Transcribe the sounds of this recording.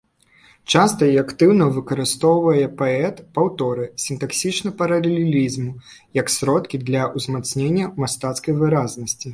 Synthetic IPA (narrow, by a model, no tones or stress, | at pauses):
t͡ʂast̪ɐiakt̪ɨwnɐvɨkɐɾɨst̪ɔwvɐjɛpaɛt̪pawt̪ɔɾɨsʲint̪aksʲit͡ʂnɐpɐɾɐlʲelʲelʲizmujɐksʲɾɔt̪kʲid̪lʲɐʔuzmat̪snʲenʲːɐmast̪at̪skɐjvɨɾaznɐsʲt͡sʲi